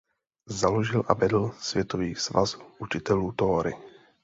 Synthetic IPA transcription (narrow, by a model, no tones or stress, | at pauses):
zaloʒɪlʔa̰vɛdl̩svjɛt̪oviːsva̰zuʔut͡ʃɪt̪ɛluːt̪oːɾɪ̰